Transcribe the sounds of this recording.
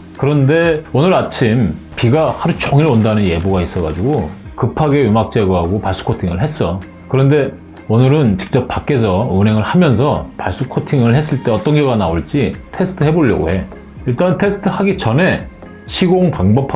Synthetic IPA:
kɯɾʌnde̞onɯɾat͡ɕʰim | piɡahaɾut͡ɕʌŋiɾondanɯnje̞boɡais͈ʌɣad͡ʑuɡokɯpʰaɡe̞jumak̚t͡ɕ͈e̞ɡʌɦaɡopaɭs͈u̥kʰotʰiŋɯɭɦe̞s͈ʌ | kɯɾʌnde̞ | onɯɾɯnt͡ɕi̥k̚t͡ɕ͈ʌp̚p͈ːak͈e̞s̬ʰʌunɦe̞ŋɯɭhamjʌns̬ʰʌpaɭs͈ukʰotʰiŋɯɭhe̞s̬͈ɯɭt͈e̞ʌt͈ʌnɡeɡanaoɭt͡ɕ͈itʰe̞sʰɯ̥tʰɯɦe̞boʎːʌ̰ɡo̰he̞ | iɭt͈antʰe̞sʰɯ̥tʰɯhaɡit͡ɕʌne̞ | ɕʰiɡoŋpaŋbʌpʰ

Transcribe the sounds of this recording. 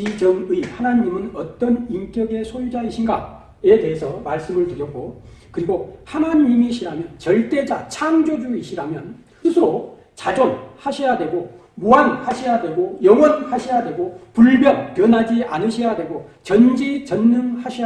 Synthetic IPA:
id͡ʑʌŋɯihanaɲimɯnʌt͈ʌniŋk͈jʌɡe̞sʰojud͡ʑaiɕʰinɡa̰ | e̞te̞ɦesʰʌmaɭs͈ɯmɯɭtɯɾjʌk̚k͈o | kɯɾiɡohanaɲimiɕʰiɾamjʌnt͡ɕʌɭt͈e̞d͡ʑat͡ɕʰaŋd͡ʑod͡ʑuiɕʰiɾamjʌn | sʰɯsʰɯɾo | t͡ɕad͡ʑonhaɕʰijadwe̞ɡo | moanhaɕʰijadwe̞ɡojʌŋwʌnhaɕʰijadwe̞ɡopuɭbjʌnpjʌnɦad͡ʑiʔa̰nɯɕʰijadwe̞ɡot͡ɕʌnd͡ʑit͡ɕʌnːɯŋhaɕʰia

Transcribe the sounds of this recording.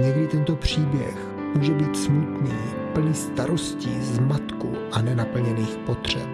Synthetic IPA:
ɲɛɡdɪt̪ɛnt̪o̞pr̝̥iːbjɛ̰x | muːʒɛbiːt̪smut̪niː | pl̩nɪst̪aɾoscḭːzmat̪kṵʔanɛnapl̩ɲɛniːxpot̪r̝̥ɛp

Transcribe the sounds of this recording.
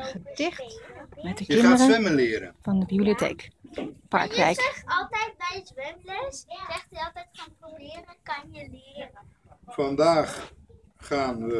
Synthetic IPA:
χətɪχtmɛtdəkəɪndərəɪməlɪːɾə̰nfɑndəbibliotḛːkpɑ̰ɹkʋɛ̰jkχɑlˠtɛjt̚bɛjəzʋɛmləszɛχtiɑlˠtɛjtχanprobɪːrənkɑnjəlɪərə | fɑndaːχ | χaːnʋə

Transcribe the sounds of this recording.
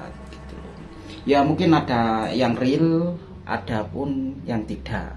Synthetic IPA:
jamuŋkɪnad̥ajaŋril | ʔa̰ɖ̥a̤pʊnjaŋt̪id̥aʔ

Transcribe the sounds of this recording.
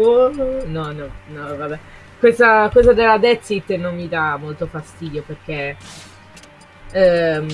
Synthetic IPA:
onɔnɔnɔvabɛ | kwesakosad̪elːad̪ɛt̪sit̪ːnomːid̪amːolt̪ofast̪iːd̪joperk̟e

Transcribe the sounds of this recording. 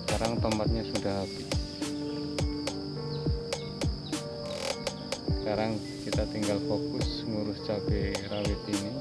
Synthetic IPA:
skaɾaŋt̪əmpat̪̚ɲasudaɦapi | skaɾaŋ | kit̪at̪iŋɡalfokʊsŋuɾʊst͡ʃapeɾawɪt̪ini

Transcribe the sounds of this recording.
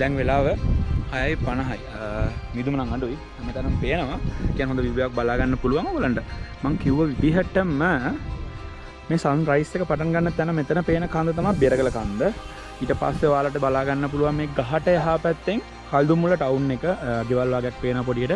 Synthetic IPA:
d̪ɛŋʋelaːʋəhajajpanəɦajmid̪umənaŋaɖui | met̪ənəməpejənəʋaekijanɦond̪əʋibjaʋak̚balaːɡanːəpuluʋaŋoɡələɳʈəmaŋkiuʋəʋibiɦəʈːəmə | meːsanɾajsekəpaʈanɡanːət̪ːjanəmet̪ənəpeːnəkand̪ət̪amabeɾəɡələkand̪ə | iːʈəpa̰sːeʋaːləʈ̬əbalaːɡanːəp̬uluʋaŋmeːɡaɦaʈəjaɦaːpæt̪ːeŋ | kald̪umuləʈawnːekəaɡeʋalʋaːɡejak̚peːnəʋap̬oɖijəʈə

